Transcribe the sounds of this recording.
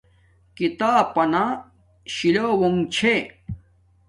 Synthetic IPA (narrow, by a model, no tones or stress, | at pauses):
kit̪aːpɐna | ɕilowoŋt͡ɕʰe